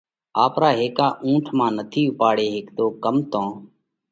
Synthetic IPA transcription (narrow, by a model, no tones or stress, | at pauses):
aːpɾaːɦeːkaːʔũːʈʰmãːnət̪ʰiːʊpaːɽeːɦɪkd̪oːkəmt̪õː